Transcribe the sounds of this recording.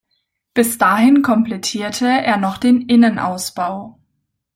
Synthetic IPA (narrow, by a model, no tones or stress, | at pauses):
b̥ɪsd̥aːɦɪnkʰɔmplɛtʰiːɐtʰəeːɐnɔχd̥eːnʔɪnənʔa̰ʊsb̥aʊ